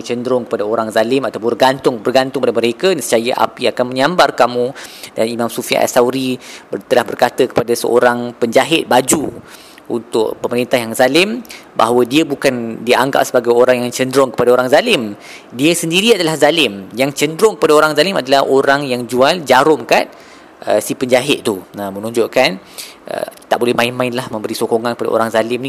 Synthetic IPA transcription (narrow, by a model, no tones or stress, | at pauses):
t͡ʃəndɾʊŋkə̥padaoɾaŋzalɪmat̪awpʊbərɡant̪ʊŋbərɡant̪ʊŋpadaməɾekadsə̥t͡ʃajəʔa̰piakanmə̃ɲãmbarkamũdanimãmsufia̰ʔa̰sawɾibt̪əlahbərkat̪əkə̥padasə̰o̰ɾaŋpəɲd͡ʒaɦɪt̪̚bad͡ʒu | ṵnt̪ʊ̰ʔ̚pəməɾint̪aɦjaŋzalɪmba̰ɦwədiəbukandiʔaŋɡa̰ʔ̚səbaɡajoɾaŋjaŋt͡ʃəndɾɔŋkə̥padaoɾaŋzalɪm | diəsəndiɾiadalahzalɪmjaŋt͡ʃəndɾʊŋkəpadaoɾaŋzalɪmadalahʔoɾaŋjaŋd͡ʒuald͡ʒaɾʊmka̰t̪̚ | ʔəsipəɲd͡ʒaɦɪt̪̚t̪uəmənũɲd͡ʒoʔkan | ʔə̰t̪aʔbolɛhmãinmãɪnlahmə̃mbəɾisokoŋankəpada̰o̰ɾaŋzalɪmnĩ